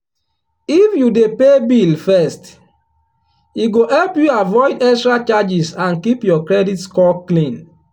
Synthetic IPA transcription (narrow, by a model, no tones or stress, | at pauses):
ifjudepebilfɛst | iɡohɛlpjuavɔɪdɛstɾat͡ʃad͡ʒisãnkipjɔkɾɛditskɔklĩn